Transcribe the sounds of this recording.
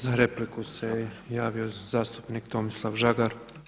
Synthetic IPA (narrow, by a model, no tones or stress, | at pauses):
zaɾeplikusejaːʋio̞zaːst̪u̥pnikt̪o̞mislˠaʋʒaɡaɾ